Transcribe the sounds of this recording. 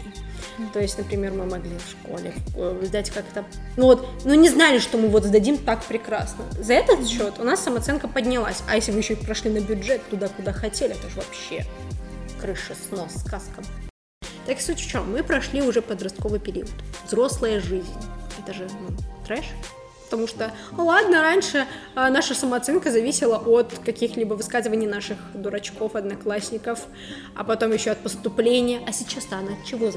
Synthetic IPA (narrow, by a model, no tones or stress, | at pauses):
t̪o̞jɪsʲtʲnəpɾʲɪmʲe̞rmɨmɐɡlʲifʂko̞̰lʲɪ̰zd̪atʲkakt̪ənuvot̪nunʲɪznalʲɪʂt̪o̞mɨvo̞t̪zd̪ɐdʲimt̪akpɾʲɪkɾa̰snəzɐɛt̪ət̪ɕːo̞t̪ʊnasːəmɐt̪sɛnkəpədʲnʲɪlˠasʲɐjesʲlʲɪvɨjɕːopɾɐʂlʲinəbʲʊdʐɛt̪ːʊd̪akʊd̪axɐtʲelʲɪɛt̪oʐɨvɐpɕːe | kɾɨʂɨsno̞sːkaskəm | t̪aksutʲt͡ɕomɨpɾɐʂlʲiʊʐɛpəd̪ɾɐst̪̚ko̞vɨjpʲɪɾʲḭət̪vzɾo̞slˠəjəʐɨzʲnʲɛt̪əʐɨnut̪ɾɛʂ | pə̥t̪ɐmuʂt̪o | lˠad̪nəɾanʲʂɨ | naʂəsəmɐɐt̪sɛnkəzɐvʲisʲɪlˠəʔot̪kɐkʲixlʲibəvɨskazɨvənʲɪjnaʂɨxd̪ʊɾɐt͡ɕko̞fɐd̪nɐklˠasʲnʲɪkəf | ɐ̰pɐt̪o̞mjɪɕːoɐt̪̚pəst̪ʊplʲenʲɪjəʔɐsʲɪt͡ɕast̪aɐnaɐt̪̚t͡ɕɪvo